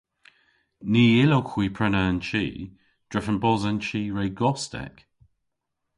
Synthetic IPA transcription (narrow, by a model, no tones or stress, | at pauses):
niːɪlokʰwiːpʰɹɛnant͡ʃḭː | d̥ɹɛfənbɔzənt͡ʃiːɹeːɡɔstɛ̰k